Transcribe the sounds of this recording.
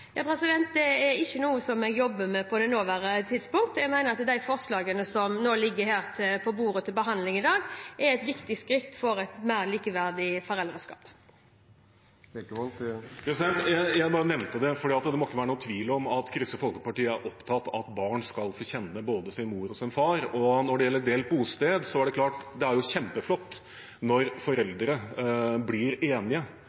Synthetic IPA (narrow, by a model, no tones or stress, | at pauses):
jɑːpʰɾɛsɪd̪ɛnt̪̚d̪ɛɛɾɪçːənuːəsɔmɛːɡjɔbːəmɛpʰɔd̪ɛnoːʋæɾət̪ʰɪd̪spʊŋkt̪ɛɡmæɪnəɾɑt̪d̪æɪfɔʁslɑːɡənəsɔmnoːlɪɡːəhæːɾt̪ʰɪpʰɔbuːɾət̪ʰɪlbəɦɑnd̪lɪŋɪd̪ɑːɡɛɾɛt̪ʋɪkt̪ɪskɾɪt̪ːfɔɾɛt̪mæɪɾliːkəʋæɾd̪ɪfɔɾɛld̪ɾəskɑ̰ːp | ɛsjæjæɪbɑːɾənɛʋnt̪əd̪ɛfɔɖiːɑt̪d̪ɛmɔɪkːəʋæːɾənuːt̪ʰʋiːlɔmɑt̪kʰɾʏsəfɔlkəpɑʈiːəæɾʔɔpt̪ʰɑt̪ːɑt̪bɑːɳskɑlfɔɾçɛnːəboːd̪əsɪnmuːɾɔsɪnfɑːɾɔnɔɖɛjɛlːəɾɖ̪eːl̚buːst̪eːd̪sɔæɖɛkʰlɑːʈd̪ɛæɾjʊçɛmpəflɔt̪ː | nɔɾfɔɾɛld̪ɾəblɪɾeːnɪə